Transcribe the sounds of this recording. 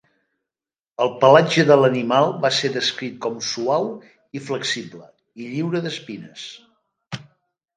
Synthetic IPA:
əlˠpəlad͡ʒəðələnimalˠβaseðəskɾit̪̚kɔmsuaw | ifləksiβlə | iʎiwɾəðəspinəs

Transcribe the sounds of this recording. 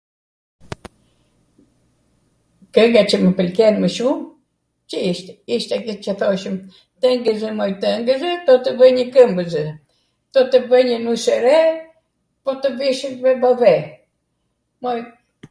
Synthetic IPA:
kəŋɡat͡ʃəməpəlkɛnməʃum | t͡ʃəiʃt̪ɛiʃt̪ɛkɛt͡ʃəθɔʃəm | t̪əŋɡəzɛmɔjt̪əŋɡəzət̪ɔt̪əvəɲəkəmbəzə | t̪ɔt̪əbəɲənusɛɾɛ | pɔt̪əviʃənvɛbavɛ | mɔj

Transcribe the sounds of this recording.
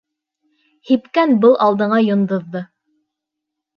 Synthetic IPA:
hipkænbɤlˠʔɑlˠd̪ɤ̆ɴɑjŏnd̪ŏðːɤ

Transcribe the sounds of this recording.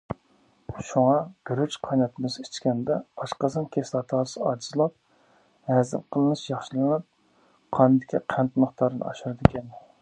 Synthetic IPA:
ʃuŋɑɡ̥ʲyɾyt͡ʃqʰɑjnɑt̪ʰɨmɨzit͡ʃkʲɛnd̪ɛɑʃqɑzɨnkʲʰeslˠɑt̪ʰɑɾsɨɑd͡ʒizlˠɑp̚ | hɛzɪ̰mqʰəlˠɨnɨʃjɑχʃɨlˠɨnɨp̚ | qʰɑnɨd̪ɪkʲʰiqʰɛnt̪mʊχt̪ɑɾɨnɨ̰ɑ̰ʃuɾɨd̪ɪkʲɛn

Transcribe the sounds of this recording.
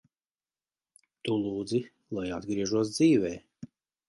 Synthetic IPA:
t̪ulˠuːd̪zi | lˠajad̪ɡɾiɛʒuɔs̬d̪ziːvɛː

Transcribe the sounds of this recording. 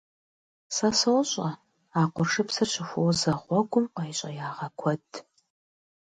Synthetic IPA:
sɐsowɕʼɐ | aːqʷʊrʂɨpsɨrɕɪxʷʊwzɐʁʷɔɡʷʊmqɐjɕʼɐ̰jaːʁɐkʷʰɔdʼʰ

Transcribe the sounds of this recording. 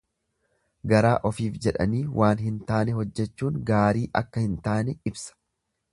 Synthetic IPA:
ɡɐɾaːʔɔfiːfd͡ʒɛᶑɐ̰niːwʔaːnɦɪnt̪aːnɛɦɔd͡ʒːɛt͡ʃːuːŋɡaːɾiːʔɐ̰kːɐhɪnt̪aːnɛɪbsɐ̥

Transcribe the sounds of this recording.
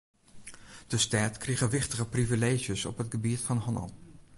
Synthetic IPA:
d̥əstaːtkriχəʋɪχtəχəprivilejʒjəsɔ̰pɦətχəbitfɑnɦɔnɑ̰lˠ

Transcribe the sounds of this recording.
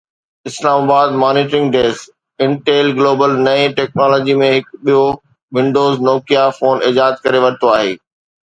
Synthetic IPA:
ɪslaːmaːbaːd̪maːniːʈɾɪ̃ŋɡɖeːs | ɪ̃ɳʈeːlɡloːbəlnɐẽʈɛːk̚nɔːlɔːd͡ʑimẽɦɪkɓijo | ʋɪ̃ɳɖoːznoːkijafoːnɪd͡ʑaːəd̪kɐɾeʋɐɾɪt̪oaːɦḛː

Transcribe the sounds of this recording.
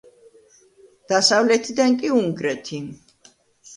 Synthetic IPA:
d̪̥asavlɛt̪ʰid̪aŋkʼiuŋɡɾɛt̪ʰi

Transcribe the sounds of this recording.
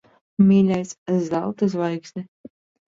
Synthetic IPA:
mʲiːlʲajszalt̪ɨs̬vajksʲnʲi

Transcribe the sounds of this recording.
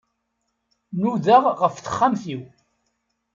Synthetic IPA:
nuðəʁʁəfθə̥χːamθiw

